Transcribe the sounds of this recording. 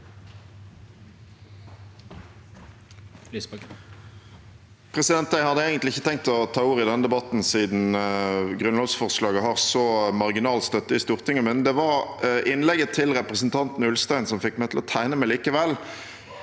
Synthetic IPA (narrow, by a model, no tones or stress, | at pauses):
pʰʁɛsɪd̪ɛnt̪d̪æɪhɑd̪əeːɡənt̪lɪçːət̪ʰɛŋk̚t̪ɔt̪ʰɑːuːʁɪd̪ɛnəd̪ɛbɑt̪n̩siːd̪n̩ɡʁʉnlɑːʋsfɔʁslɑːɡəɦɑʁsɔmɑʁɡɪnɑːlt̪st̪œt̪ːəɪst̪uːʁt̪ʰɪŋəmɛnd̪ɛʋɑʁʔɪnlɛɡət̪ʰɪlʁɛpʁəsn̩t̪ʰɑnt̪n̩ʉlst̪æɪnsɔmfɪkmæɪt̪ʰlɔt̪ʰæɪnəmæliːkəʋɛl